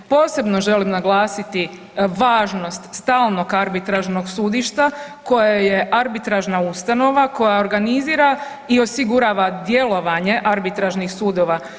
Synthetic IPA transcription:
po̞ːse̞bno̞ʒe̞limnaɡlˠaːsit̪i | ʋaːʒno̞st̪st̪aːlˠno̞ɡaɾbit̪ɾaʒno̞ɡsud̪iʃt̪ako̞jaje̞ʔaɾbit̪ɾaʒnaust̪ano̞ʋako̞jao̞ɾɡaniziːɾa | io̞siɡuɾaːʋad̪je̞lˠo̞ʋaɲe̞ʔaɾbit̪ɾaʒnixsuːd̪o̞ʋa

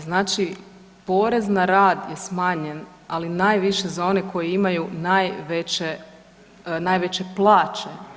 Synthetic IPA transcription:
znaːt͡ʃi | po̞ːɾe̞znaɾaːd̪je̞smaːɲe̞n | alinaːjʋiʃe̞zao̞ne̞ko̞jeimajunaːjʋe̞t͡ɕe | naːjʋet͡ɕe̞plˠaːt͡ʃe

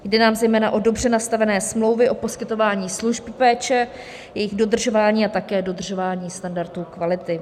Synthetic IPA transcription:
jdɛnaːmzɛjmɛːnaʔo̞do̞br̝ɛnast̪avɛnɛːsmlo̞wvɪʔo̞po̞skɪt̪o̞vaːɲiːsluʒppɛːt͡ʃɛ | jɛjɪɣdo̞d̪r̩ʒo̞vaːɲiːat̪akɛːdo̞d̪r̩ʒo̞vaːɲiːst̪andaɾt̪uːkvalɪt̪ɪ

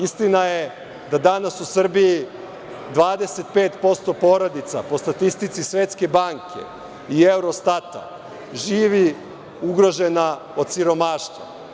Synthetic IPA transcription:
ist̪inaje | d̪ad̪anasusr̩biji | d̪ʋaːd̪e̞se̞t̪̚pe̞ːt̪po̞st̪o̞po̞ɾod̪it̪sapo̞st̪at̪ist̪it̪sisʋe̞t̪ske̞baːŋkʰe̞̰ | iewɾo̞st̪at̪a̰ | ʒiːʋi | uɡɾo̞ʒe̞na | o̞d̪siɾo̞maːʃt̪ʋa̰

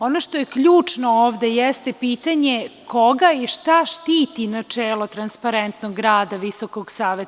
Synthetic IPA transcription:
o̞noʃt̪o̞jekʎuːt͡ʂno̞oːʋd̪ejɛst̪epiːt̪aɲe̞kʰoɡaiʃt̪aʃt̪iːt̪inat͡ʂeːlo̞t̪ɾanspaɾent̪noɡːɾaːd̪aʋiso̞koɡsaːʋet̪

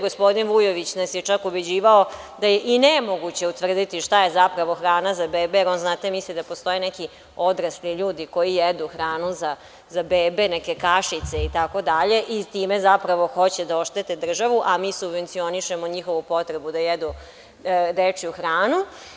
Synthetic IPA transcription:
ɡospo̞d̪inʋujoʋit͡ɕnasjet͡ʃakubed͡ʑiːʋao | d̪ajeʔinemoɡut͡ɕe̞ut̪ʋr̩d̪it̪iʃt̪aje̞zapɾaʋo̞xɾaːnazabeːbejeɾo̞nznaːt̪emislid̪apo̞st̪o̞jinɛki | o̞d̪ɾasliʎuːd̪iko̞jijed̪uxɾaːnuza | zabeːbe̞nɛkekaʃit̪seit̪ako̞d̪aʎe̞ʔit̪iːmezapɾaʋo̞xo̞t͡ɕed̪aoʃt̪et̪ed̪r̩ʒaʋuʔamiːsubʋe̞nt̪sio̞niʃemoɲixo̞ʋupo̞t̪ɾebud̪ajed̪u | ɾet͡ʂiuxɾaːnu

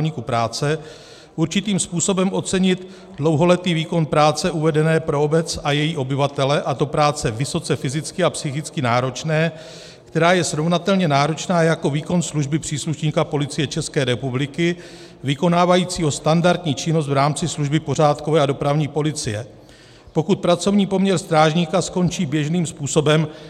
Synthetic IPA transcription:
ɲiːkupɾaːt͡sɛ | ʔuɾt͡ʃɪt̪iːmspuːso̞bɛmʔo̞t͡sɛɲɪt̪ | dlo̞wɦo̞lɛt̪iːviːko̞npɾaːt͡sɛʔuvɛdɛnɛːpɾo̞obɛt͡sajɛjiːʔo̞bɪvat̪ɛlɛʔat̪o̞pɾaːt͡sɛvɪso̞t͡sɛfɪzɪt͡skɪapsɪxɪt͡skɪnaːɾo̞t͡ʃnɛː | kt̪ɛɾaːjɛsɾo̞vnat̪ɛlɲɛnaːɾo̞t͡ʃnaːjako̞viːko̞nsluʒbɪpr̝̥iːsluʃɲiːkapo̞lɪt͡sɪjɛt͡ʃɛskɛːɾɛpublɪkɪ | vɪko̞naːvajiːt͡siːɦo̞st̪andaɾt̪ɲiːt͡ʃɪnos̬t̪vɾaːmt͡sɪsluʒbɪpo̞raːt̪ko̞vɛːado̞pɾavɲiːpo̞lɪt͡sɪjɛ | po̞kut̪̚pɾat͡so̞vɲiːpo̞mɲɛɾst̪ɾaːʒɲiːkasko̞nt͡ʃiːbjɛʒniːmspuːso̞bɛm

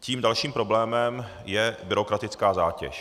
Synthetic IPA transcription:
ciːmdalʃiːmpɾo̞blɛːmɛm | jɛbɪɾo̞kɾat̪ɪt͡skaːzaːcɛ̰ʃ

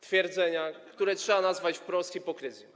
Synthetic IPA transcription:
t̪fʲjɛɾd̪zɛɲakt̪uɾɛtʂɛbanazvat͡ɕpɾɔst̪xʲipɔkɾɘzʲjɛ

